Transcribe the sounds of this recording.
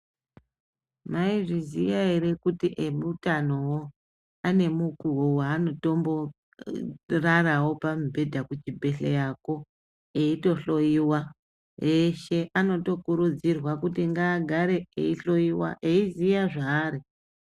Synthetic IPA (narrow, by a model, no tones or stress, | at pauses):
maiʐizijaeɾe̞kutiʔemutanowo | ane̞mukuwowaːno̞to̞mbo̞ | rarawo̞pamibʱe̞dʱakut͡ʃibʱe̞ɬejako̞ | eito̞ɬo̞jiwa | jeʃe̞ʔano̞to̞kuɾud͡zirwakutiŋɡaːɡʱaɾe̞eiɬo̞iwa̰ʔeizijaʐaːɾi